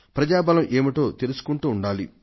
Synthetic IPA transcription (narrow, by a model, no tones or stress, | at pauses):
pɾɐd͡ʒaːbɐlɐmʔe̞ːmiʈo̞ːt̪elusu̥kuɳʈuːɳɖaːli